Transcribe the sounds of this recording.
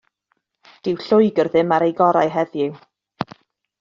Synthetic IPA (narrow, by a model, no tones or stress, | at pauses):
d̥ɪwɬʊjɡərðɪmaɾejɡɔɾajɦɛðjɪw